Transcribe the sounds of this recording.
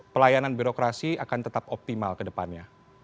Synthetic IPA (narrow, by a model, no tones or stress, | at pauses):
pəlajananbiɾokɾasiakant̪ət̪apɔp̚t̪imalkədəpanɲa